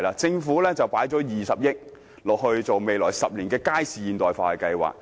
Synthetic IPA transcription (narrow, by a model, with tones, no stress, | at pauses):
laː˧t͡sɪ˧ŋfuː˨˥lɛː˥t͡sɐ˨wpaː˨˥jt͡sɔː˨˥jiː˨sɐ˨p̚jɪ˥k̚ | lɔː˨k̚hɵ˧ɥt͡so˨wme˨jlɔː˨˩jsɐ˨p̚liː˨˩nkɛː˧kaː˥jsiː˨˧jiː˨˩nt̪ɔː˨jfa̰ː˨hɐ˨˩kɐ˧jwa̰ː˨k̚